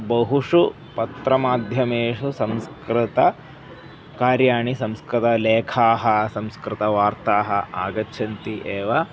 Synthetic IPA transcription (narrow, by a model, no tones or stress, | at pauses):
bɐɦuʂu | pɐt̪ɾɐmaːd̪ʱjɐmeːʂusɐmskɾɪt̪ɐ | kaːɾjaːɳisɐmskɾɪt̪ɐleːkʰaːɦɐ̆sɐmskɾɪt̪ɐʋaːɾt̪aːɦɐaːɡɐtːt͡ʃʰɐnt̪iʔeːʋa